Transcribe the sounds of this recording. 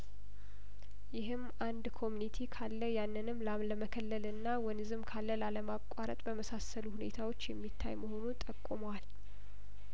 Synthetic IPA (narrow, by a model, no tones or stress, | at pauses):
jɪɦɨmːʔand̪kʰo̞munit̪ʰikʰalːəjanːɨnɨmːlamləməkʰəlːəlɨnːawɔnɨzɨmkʰalːəlaləmakʼaɾə̰t̪ʼbəməsasəluhune̞̰t̪ʰawo̞t͡ʃːjɛmːit̪ʰːa̰jməho̞nut̪ʼəkʼːuməwal